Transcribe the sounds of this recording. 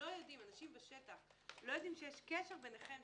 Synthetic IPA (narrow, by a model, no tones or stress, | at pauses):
o̞jod̪imanaʃimbeʃet̪aχlo̞jod̪imʃejeʃkeʃeʁbeneχe̞m